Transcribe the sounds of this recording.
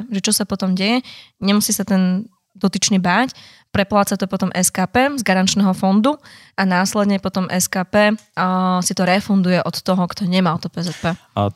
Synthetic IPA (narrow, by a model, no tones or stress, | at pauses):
ʒɛt͡ʃɔsapɔt̪ɔmɟɛjɛɲɛmusiːsat̪ɛn | d̪ɔt̪it͡ʃnibaːc | pɾɛplaːt͡sat̪ɔpɔt̪ɔmʔɛskaːpɛːzɡaɾant͡ʃnɛːɦɔfɔnd̪u | anaːslɛd̪ɲɛpɔt̪ɔmʔɛskaːpɛː | sit̪ɔɾɛfund̪ujɛʔɔt̪ːɔɦɔkt̪ɔɲɛmalt̪ɔpɛzɛt̪̚pɛː